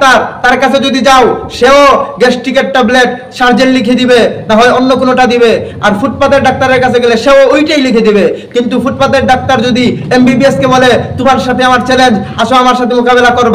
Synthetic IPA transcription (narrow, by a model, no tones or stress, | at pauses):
t̪aɾt̪aɾkat͡ɕʰed͡ʑod̪id͡ʑaoʃeoɡesʈikeʈʈableʈ̚ | ʃaɾd͡ʑenlikʰed̪ibet̪aɦoeonːokonoʈad̪ibe | aɾfuʈpad̪eɾɖak̚t̪aɾeɾkat͡ɕʰeɡɛleʃeoojʈejlikʰed̪ibekint̪ufuʈ̚pad̪eɾɖak̚t̪aɾd͡ʑod̪iembibieskebolet̪omaɾʃat̪ʰeamaɾt͡ɕɛlend͡ʑ | aʃoamaɾʃat̪ʰemokabelakoɾb